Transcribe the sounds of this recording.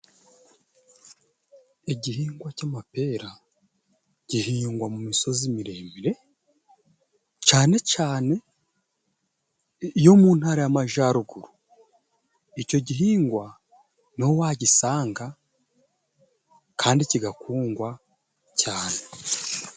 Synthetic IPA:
eɟihiːŋɡwacaːmape̞ːɾa | ɟ̥iɦiːŋɡwamumiso̞zimiɾe̞ːmiɾe̞ | caːne̞caːne̞ | jo̞muːn̥haɾajamaʒaːɾuɡuɾu | ico̞ɟiɦiːŋɡwa | nowaːɟisaːŋɡa | kʰaːndiciɡakuːŋɡwa | caːne

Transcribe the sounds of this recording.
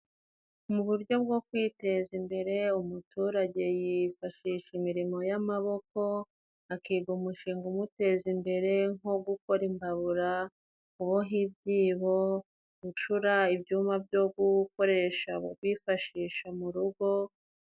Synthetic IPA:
umuβuɾɟo̞b̚ɡo̞kwiːte̞zimbe̞ɾe̞umutuːɾaɟe̞jifaʃiːʃimiɾimo̞jamaβo̞ko̞ | akiɡumuʃiːŋɡumute̞zimbe̞ɾe̞ŋo̞ɡuko̞ɾimbaβuɾa | kuβoɦibɟiːβo̞ | ɡut͡ʃuɾaibjuːmabjo̞ɡuko̞ɾe̞ʃaβokwifaʃiːʃamuɾuɡo̞

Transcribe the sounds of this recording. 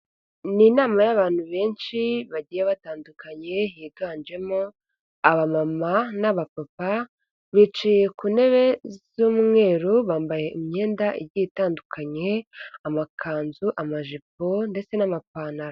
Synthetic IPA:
niːnaːmajaβaːn̥huβe̞ːnʃiβaɟijeβataːndukaɲe̞jiːɡaːnd͡ʒe̞mo | aβamamanaβapapa | βit͡ʃije̞kune̞βe̞zuːmŋe̞ːɾoβaːmbaje̞ʔimɲe̞ːndaʔiɟitaːndukaɲe̞amakʰaːnzuʔamaʒip̚onde̞t͡se̞namapaːnaɾa

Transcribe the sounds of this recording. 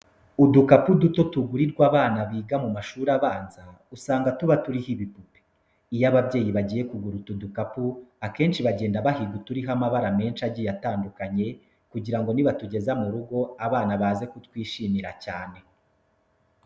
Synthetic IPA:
udukapuduto̞tuɡuɾiɾɡwaːβaːnaβiːɡamumaʃuːɾaβaːnza | usaːŋɡatuβatuɾihiβipupe̥ | ijaβabɟe̞ːjiβaɟiːje̞kuɡuɾutudukapuake̞ːnʃiβaɟe̞ːndaβahiɡutuɾiɦamaβaɾame̞ːnʃaɟijataːndukaɲe̞ | kuɟiɾaŋɡo̞niβatuɟe̞zamuɾuɡo̞aβaːnaβaːze̞kutwiːʃiːmiɾacaːne̞

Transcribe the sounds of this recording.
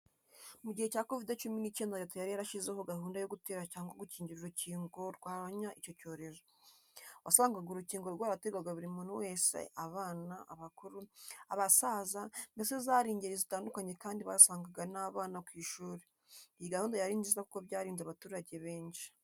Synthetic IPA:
muɟihe̞caːko̞videt͡ʃuminice̞ːndatojaɾihaɾaʃizehoɡaɦuːndajo̞ɡuteːɾacaːŋɡoɡuciːɲɟiɾiɾuciːŋɡo̞ɾɡwaːβaɲaʔico̞co̞ːɾe̞zo̞ | wasaːŋɡaɡoɾuciːŋɡo̞ɾɡwaːɾateɡwaɡaβuɾimunuwe̞ːse̞̰ʔaβaːnaaβakuɾuaβasazandesezaɾiːɲɟiɾezitaːndukaɲe̞kaːndiβa̰saːŋɡaɡanaβaːnakwiːʃuːɾe | ijiɡahuːndajaɾiːɲzizakuko̞βɟaːɾiːnzaβatuːɾaɟe̞βe̞ːɲʃi̥

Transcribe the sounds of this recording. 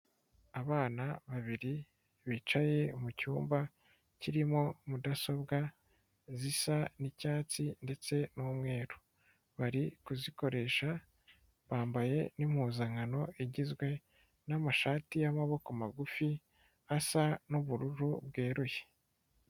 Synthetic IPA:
aβaːnaβaβiɾi | βit͡ʃaje̞mucuːmba | ciɾimo̞mudaso̞bɡa | zisanicaːt͡sinde̞t͡se̞nuːmŋe̞ːɾu | βaɾikuziko̞ɾe̞ʃa | βaːmbaje̞nim̥huːzaŋano̞ʔiɟizɡwe̞ | namaʃaːtijamaβo̞komaɡufi | asanuβuɾuɾubɡeːɾuje̥

